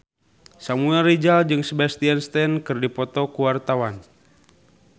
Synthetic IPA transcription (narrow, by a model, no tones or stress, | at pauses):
samuɛlrid͡ʒald͡ʒɨŋsəbast̪ianst̪ɛnkɨrdipɔt̪ɔkuwart̪awan